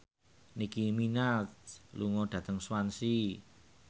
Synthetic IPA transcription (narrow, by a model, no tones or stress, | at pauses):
nikiminat̪̚luŋɔɖ̥ä̤t̪əŋswansi